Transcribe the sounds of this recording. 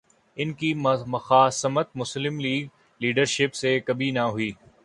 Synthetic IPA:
ɪnkimɐxaːsɐmət̪̚mʊslɪmliːɡ̚ | liːɖəɾʃɪpsekɐbʱinɐɦʊiː

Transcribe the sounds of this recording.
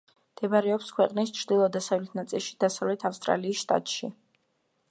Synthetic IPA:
md̪̥ɛbaɾɛɔpskʰwɛqʼnist͡ʃʰɾd̪ilˠɔd̪asavlɛt̪ʰnat̪sʼilˠʃi̥d̪̥asavlɛt̪ʰafst̪ʼɾa̰liːsʃt̪ʼa̰t̪ʼʃi

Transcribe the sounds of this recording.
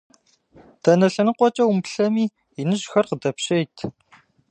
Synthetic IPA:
tʰɐnɐɬɐnɨqʷɔt͡ʃʼɐwumpɬɐmiː | jɪnɨʒxɐrqədɐpɕejtʰ

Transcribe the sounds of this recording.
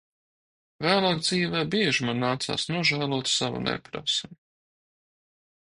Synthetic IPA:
væːlˠaːkd̪ziːvɛːbiɛʒimanːaːt̪sa̰ːsnuɔʒæːlˠuɔːt̪sava̰nɛ̰pɾa̰sm

